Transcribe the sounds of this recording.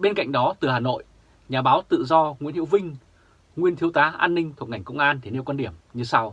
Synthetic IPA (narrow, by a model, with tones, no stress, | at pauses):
ɓe˧nka̰˧˨jŋ̟ɗɔ˨˦t̪ɨ˨˩haː˨˩no̰˧˨j | ɲaː˨˩ɓaː˨˦wt̪ɨ̰˧˨zɔ˧ŋḭ˧˥nhi˧˥wvï˧ŋ̟ | ŋwi˧ənt̪ʰi˨˦əwt̪aː˨˦ʔaː˧nːï˧ŋ̟t̪ʰk̚ŋa˨˩ŋ̟kə̰˧˨wŋ͡mʔaː˧nt̪ʰi˨˧˩ne˧wka˧nɗi˧˩əmɲɨ˧sa˧w